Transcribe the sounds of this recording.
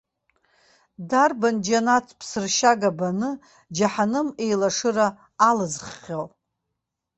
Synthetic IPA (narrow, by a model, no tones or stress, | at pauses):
darband͡ʒanatʰpʰsɨrʃaɡabanɨ | d͡ʒaħanɨme̞jlaʂɨraː | lɨzχːʲal